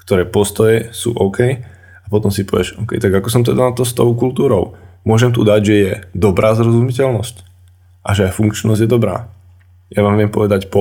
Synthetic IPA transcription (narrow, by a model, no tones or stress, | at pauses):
kt̪ɔɾɛːpɔst̪ɔjɛsṵːʔɔʊkɛj | apɔt̪ɔmsipɔʋɪɛʃɔʊkɛ̰jt̪aɡakɔsɔmt̪ɛd̪anat̪ɔst̪ɔʊkult̪uːɾɔ̰ʊmʊɔʒɛmt̪ud̪aɟʒɛjɛd̪ɔbɾʔaːzɾɔzumicɛlnɔsc | ʔaʒɛajfuŋkt͡ʃnɔzɟjɛd̪ɔbɾa̰ː | jaʋaːmʋɪɛmpɔʋɛd̪acpɔ